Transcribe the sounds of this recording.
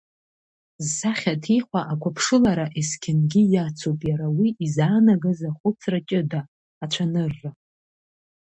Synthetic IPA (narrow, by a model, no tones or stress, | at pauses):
zːaχʲatʰiχʷaʔakʷʰapʰʂɨlaɾaʔeskʲʰɪnɡʲɪjat͡sʰopʼjaɾawiizaːnaɡazaχʷʊt͡sʰrat͡ʃʲʼɪdaː | t͡ʃʷʰanɨrːa